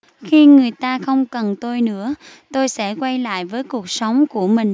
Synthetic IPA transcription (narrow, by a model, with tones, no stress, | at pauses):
xi˧ŋɨ˨˩əjt̪aː˧xə˧wŋ͡mkə˨˩nt̪o˧jnɨ̰˧˥ə | t̪o˧jsɛ̰˧˥kwa˧jla̰ː˧˨jvəː˨˦jku˨˩ək̚sə˨˦wŋ͡mku˧˩əmï˨˩ŋ̟